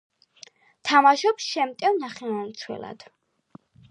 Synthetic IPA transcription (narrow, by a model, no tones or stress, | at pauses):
t̪ʰamaʃɔpsʃɛmt̪ʼɛwnaχɛwant̪sʰwɛ̰la̰d̪̥